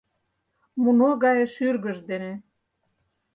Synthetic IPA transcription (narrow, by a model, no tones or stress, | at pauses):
munoɣɑjeʃyrɣə̆ʒd̪ene